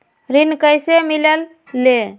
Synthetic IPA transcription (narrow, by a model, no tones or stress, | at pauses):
ɾinkəjsemiləlː | e